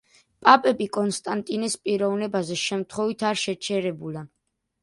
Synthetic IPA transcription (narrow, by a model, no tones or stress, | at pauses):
pʼapʼɛbikʼɔnst̪ʼant̪ʼinɛspʼiɾɔvnɛbazɛʃɛmt̪ʰχwɔvit̪ʰaɾʃɛt͡ʃʰɛɾɛbula